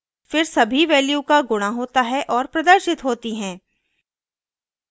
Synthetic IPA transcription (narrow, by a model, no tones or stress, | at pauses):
fɪɾsɐbʱiʋɛːljukaɡʊɽ̃aɦoːt̪aɦɛʔɔːɾpɾɐd̪əɾʃɪt̪ɦoːt̪iɦɛ̃ː